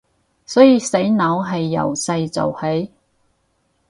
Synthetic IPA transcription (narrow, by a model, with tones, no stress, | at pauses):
sɔː˨˥jiː˧se˨˥jnɐ˨˥wɦɐ˨jːɐ̰˨˩wsɐ˧jt͡sɐ̰˨whe˨˥j